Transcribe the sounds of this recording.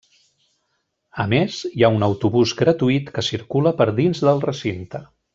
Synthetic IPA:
əmezjaunəwt̪uβuzɡɾət̪uit̪kəsiɾkuləpəɾðinzðəlˠrəsint̪ə

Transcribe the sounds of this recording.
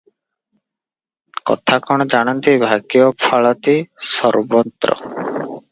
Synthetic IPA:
kɔ̰t̪ʰakɔɽ̃ɔd͡ʒaɽ̃ant̪ibʱakiopʰaɭɔt̪isɔɾbɔnt̪ɾɔ̰

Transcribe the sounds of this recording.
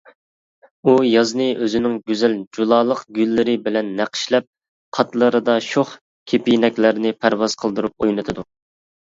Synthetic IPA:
ujɑznɨʔøzɪnɪŋɡʲyzɛld͡ʒulˠɑːlˠəqɡʲylːɪɾɪbɪlɛnːæqʰə̥ʃlɛp̚ | qʰɑt̪lˠəɾɨd̪ɑʃoχ | kʲʰepijnɛkʲlɪɾɪnɪpʰæɾwɑz̥qʰəlˠd̪uɾup̚ojnɨt̪ʰɨd̪u

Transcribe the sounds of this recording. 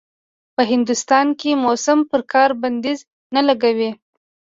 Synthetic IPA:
pəɦɪnd̪ust̪ɑnkemosampəɾkʰɑɾband̪iz | nalaɡawi

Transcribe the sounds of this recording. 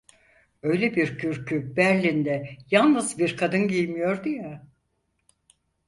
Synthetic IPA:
ø̞jlʲɛbiɾcʰyɾcʰybæɾlʲind̪ɛjalˠnɯzbiɾkʰad̪ɯnɟijmijo̞ɾd̪ɯja

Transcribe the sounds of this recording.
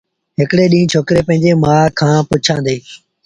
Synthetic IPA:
ɦɪkɽeːɗĩːt͡ʃʰoːkɾeːpə̃ɦɪ̃ɲd͡ʑeːmaːkʰãːpʊt͡ʃʰãːnd̪eː

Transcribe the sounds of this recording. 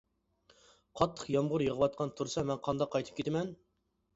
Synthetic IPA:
qʰɑt̪ʰːə̥qjɑmʁʊɾjəʁəwɑt̪̚qʰɑnt̪ʰuɾsɑmɛnqʰɑnd̪ɑqʰːɑjt̪ʰɨ̥pkʲʰet̪ʰɪmɛn

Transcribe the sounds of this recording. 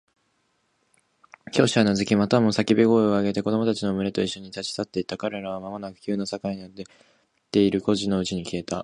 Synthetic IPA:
kʲo̞ːɕiβ̞anazɨkʲimat̪amo̞sakʲibʲiɡo̞ːeo̞aɡe̞t̪e̞ko̞d̪o̞mo̞t̪at͡ɕino̞mɯ̟ɾe̞t̪o̞iɕːo̞ɲ̟it̪at͡ɕi̥t̪at̪ːe̞it̪akaɾe̞ɾaβamamonakɯ̟̥kʲɨːnosakaiɲiad̪e | t̪ːe̞iɾɯ̟ko̞ʑino̞ɯ̟t͡ɕiɲ̟ikʲie̞t̪a

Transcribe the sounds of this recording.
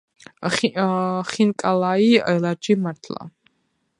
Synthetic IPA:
χinkʼalaiɛlad͡ʒimaɾt̪ʰla̰

